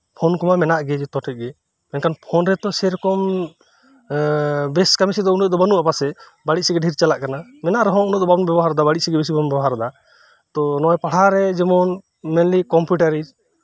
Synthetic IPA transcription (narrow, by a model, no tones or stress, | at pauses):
pʰɔnkɔmamɛnaʔɡɛd͡ʒɛt̪ɔʈʰɛc̪̚ɡɛ | mɛnkanpʰɔnɾɛt̪ɔsɛɾɔkɔm | bɛskamisid̪ɔunɛd̪ɔbanuʔapasɛ | baɽic̚sɛɡɛɖʱiɾt͡ʃalaʔkanamɛnaʔɾɔɦɔ̃unɛʔd̪ɔbabɔnbɛbɔɦaɾd̪abaɽit̚sɛɡɛbɛs̬ibanbɛbɔɦaɾd̪a | t̪ɔnɔjpaɽ̤aɾɛd͡ʒɛmɔn | mɛnlikɔmpuʈaɾid͡ʒ